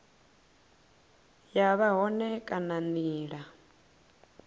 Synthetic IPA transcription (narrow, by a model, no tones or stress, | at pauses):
jaβaɦɔnɛkʼananiːɺa